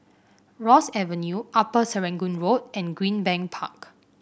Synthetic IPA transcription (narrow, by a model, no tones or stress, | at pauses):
ɹɔsɛvənjuʔapəsəɹɛ̃ŋɡũnɹot̚ʔɛ̃nɡɹĩnbɛ̃ŋpʰa̰k